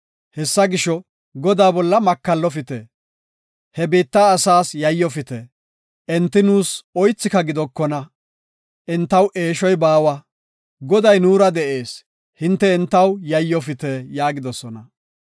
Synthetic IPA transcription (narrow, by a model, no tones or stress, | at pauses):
hɛsːɐɡɪʃɔ | ɡɔd̪aːbɔlːɐmɐkːɐlːɔfɪt̪ɛ | hɛbiːt̪ːaːsaːsjɐjːɔfɪt̪ɛ | ʔɛnt̪ːɪnuːsɔjt͡sːɪkɐɡɪd̪ɔkːɔnɐ | ʔɪnt̪ːɐwʔe̞ːʃɔjbaːwɐ | ɡɔd̪ɐjnuːɾɐd̪ɛʔe̞ːs | hɪnt̪ːɛɪnt̪ːɐwjɐjːɔfɪt̪ɛjaːɡɪd̪ɔsɔnɐ